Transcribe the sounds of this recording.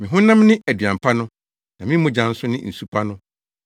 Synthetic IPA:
mɪ̃˨ɦʊ̃˦nːã˦m˦nɪ̃˦ʔæ˨dɥã˨m˨pʰa˦nʊ̃˦ | nã˨mɪ̃˦mʊ̃˦d͡ʑã˨n̩˦sʊ˦nɪ̃˦n̩˨su˨pʰa˦nʊ̃˦

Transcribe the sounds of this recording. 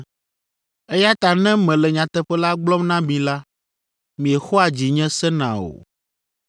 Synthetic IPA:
e˦ja˦t̪a˨nɛ̃˦mɛ̃˨lɛ˨ɲã˨t̪ɛ˨ɸɛ˦la˦ɡ͡blɔ˦mnã˦mĩ˨la˦ | mĩ˨ɛ˨xo˦a˨d͡ʑi˨ɲɛ̃˦sɛ˦nã̰˨o̰˨

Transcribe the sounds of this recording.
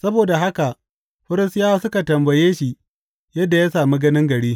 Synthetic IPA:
sɐ˦boː˨da˨ɦa˦ka˨ʔ | ɸʊ˦ɾɪ˦stɪ˦jaː˦sʊ˦ka˨tɐ˨mbɐ˨jeː˦ʃi˨ | jɐ˦dːa˨jaː˦saː˨mi˦ɡɐ˦nɪ˦ŋɡɐ˨ɽiː˦

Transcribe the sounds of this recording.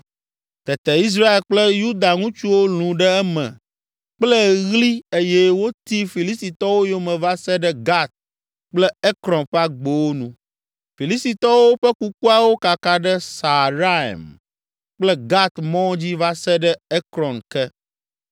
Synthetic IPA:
t̪ɛ˨t̪ɛ˨i˦s̬ɾa˦e˨lk͡plɛ˦ju˦d̪a˨ŋũ˦t͡ʃu˦wo˦l̃ũ˨ɖɛ˦ɛ˦mɛ̰̃˨ | k͡plɛ˦ɣli˦e˦jɛ˦wo˦t̪i˦fi˨li˦st̪i˨t̪ɔ˦wo˦jo˦mɛ̃˨va˦sɛ˦ɖɛ˦ɡa˦t̪̚ | k͡plɛ˦ɛ˦kɾɔ̃˨nɸɛ˦a˦ɡ͡bo˨wo˦nṵ̃˨ | fi˨li˦st̪i˨t̪ɔ˦wo˦ɸɛ˦ku˦ku˦a˨wo˦ka˨ka˨ɖɛ˦sa˨ɾa˦ɛ̰˨m | k͡plɛ˦ɡa˦t̪mɔ̃˦d͡ʑi˦va˦sɛ˦ɖɛ˦ɛ˦kɾɔ̃˨nkɛ˦

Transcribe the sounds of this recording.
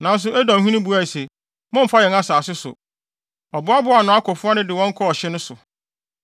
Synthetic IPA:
nã˨n̩˦s̬ʊ˨æ˦dã˨ɦũ˦nĩ˦bu˨a˦i˨se˨ | mʊ̃˦m̩˨fa˦jɛ̃˨na˦saː˨sɪ˦sʊ̰˨ | ɔ˨bʊ˨˦a˦bʊ˨˦˨a˨nʊ̃˨a˦kʰɔ˨fʊ˦a˦nɪ̃˦dɪ˨wɔ̃˦ŋ̩˦kʰɔ˦ɔ˨ɕɪ˦nʊ̃˦sʊ˨

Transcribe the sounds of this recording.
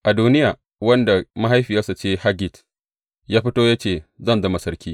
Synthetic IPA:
ʔa˨duː˦nɪ˦jaː˨ | wɐ˦nda˨ma˦ɦa˦jɸi˨ja˦sa˨t͡ʃeː˦ha˦ɡʲɪ˨t | jaː˦ɸɪ˦toː˦ja˦t͡ʃeː˨zɐ˦˨nzɐ˦ma˨sɐ˦ɾkʲiː˦

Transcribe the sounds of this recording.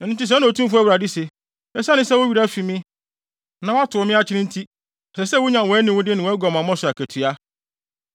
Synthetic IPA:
n̩˨ʊ̃˨tɪ˦s̬ɛ̃˦nʊ̃˨o˨tʰũ˦mfʊ˦a˦wɾa˨dɪ˦se˨ | ɛ̃˨sa˦nɪ̃˦sɛ˦wʊ˦ɥi˨ɾa˦fi˨mɪ̃˦ | nã˨wa˦tʰʊ˨mɪ̃˦a˦t͡ɕʰɪ˦ɾɪ̃˦n˦tʰi˦ | a˨sɛ˨sɛ˦wʊ˦ɲã˨wɔ˨˦nɪ̃˨wʊ˦dɪ˦nɪ̃˨wɔ˨˦ɛ˦ɡɔ˨mã˨mɔ̃˦sʊ˨a˨kʰæ˨tʰɥa˦

